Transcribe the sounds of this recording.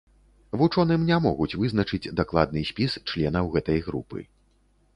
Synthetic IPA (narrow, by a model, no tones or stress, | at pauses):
vut͡ʂɔnɨmnʲamɔɣut͡sʲvɨzn̪ɐt͡ʂɨt͡sʲd̪aklˠad̪̚nɨsʲpʲist͡ʂlʲɛnɐwɣɛt̪ɐjɣɾupɨ̰